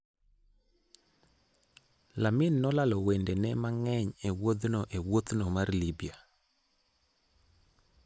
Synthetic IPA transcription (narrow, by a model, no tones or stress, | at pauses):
lamɪnːɔlalɔwendenɛmaŋɛɲewod̪noʔewot̪nomarlibia